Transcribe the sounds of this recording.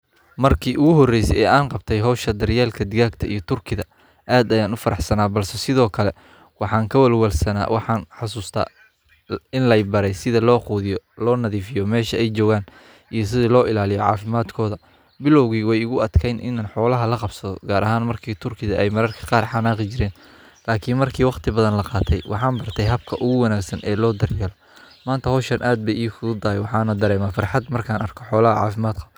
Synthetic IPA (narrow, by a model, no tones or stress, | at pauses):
mɐrkʰiːʔʊɣʊɦɔrɛjsɛɛːaːnqɑbt̪ʰɛjɦɔːʃɐd̪ɐrjaːlkʰɐd̪ɪɣaːɡt̪ʰɐʔijɞt̪ʰʊrkʰɪðɐ | ʔaːd̪ɐjaːnʊfɐɾɑħsɐnaːbɐlsɛsɪðɔːkʰɐlɛ | wɑħɑːŋkʰɐwɐlwɐlsɐna̰ːwʔɑħɑːnħɑsuːst̪ʰa̰ː | ɪnlɛjbɐɾɛjsɪðɐlɔːquːðɪjɔlɔːnɐðiːfɪjɔmɛːʃɐɛjt͡ʃɔːɣaːn | ʔijɞs̬ɪðɐlɔːɪlaːlɪjɔʕɑ̰ːfɪmaːd̪kʰɔːðɐ | bɪlɔwɣiːwɛjʊɣʊɐd̪kʰɛjnʔɪ̰nanħɔːlɐɦɐlɐqɑbsɐðɔɡaːɾʔɐɦaːnmɐrkʰiːt̪ʰʊrkʰɪðɐɛjmɐɾɐrkʰɐ̥qɑːrħɑnaːqɪt͡ʃɪɾɛːn | laːkʰiːnmɐrkʰiːwɑqt̪ʰɪbɐðɐnlɐqɑːt̪ʰɛjwʔɑ̰ħɑːnbɐrt̪ʰɛjɦɐb̚kʰɐʔʊɣʊwɐnaːɡsɐnʔɛːlɔːd̪ɐrjɛːlɔ | maːnt̪ʰɐhɔːʃɐnʔaːd̪̚bɛjiːkʰʊʊd̪aːjwɑħɑːnɐd̪ɐɾɛːmaːfɐrħɑd̪mɐrkʰaːnʔɐrkʰɔħɔːlɐɦɐʕɑ̰ːfɪmaːd̪kʰɐ